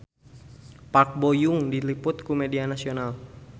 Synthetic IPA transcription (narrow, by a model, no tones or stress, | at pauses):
pak̚bojʊŋdilipʊt̪̚kumɛdianasional